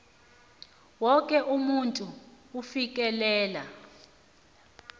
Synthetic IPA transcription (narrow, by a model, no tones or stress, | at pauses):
wɔkʼɛʔumuntʼuː | fik̬ʼɛlɛːla